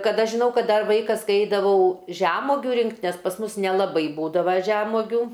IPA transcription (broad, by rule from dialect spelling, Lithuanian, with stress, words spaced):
kɐt ˈɐʃ ʒʲɪˈnɐʊ ˈkɐt ˈdɐr ˈʋɐɪkɐs kɐɪ ˈɛɪdɐʋɐʊ ʒʲæmoːɡʲʊ ˈrʲɪŋkt nʲɛs pɐs ˈmʊs nʲɛlˠɐˈbɐɪ ˈbuːdɐʋɐ ˈʒʲæːmoːɡʲuː